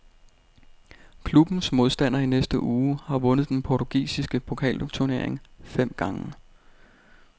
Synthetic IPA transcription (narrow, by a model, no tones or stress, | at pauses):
kʰlub̥n̩smo̝ð̞ˠsd̥æn̰ɐinesd̥əʔuːhɑ̈ʋɔ̽nəð̞̩ˠd̥enpʰɒt͡sʰuɡ̥ḭːsisɡ̥əpʰo̝kʰɛ̰ːlt͡sʰune̝ɐeŋfem̰ɡ̥ɑ̈ŋə